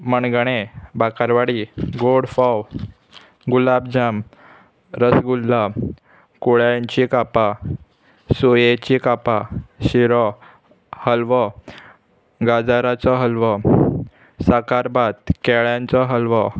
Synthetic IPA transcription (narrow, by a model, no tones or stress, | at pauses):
məɳɡəɽ̃ebakaɾʋaɽiɡoɽfɔw | ɡulabd͡ʑam | ɾəsɡulːa | koɭjaɲt͡ɕikapa | sojet͡ɕikapaɕiɾɔ | həlʋɔ | ɡad͡zaɾat͡sɔɦəlʋɔ | səkaɾbat̪̚kɛɭjãnt͡sɔɦəlʋɔ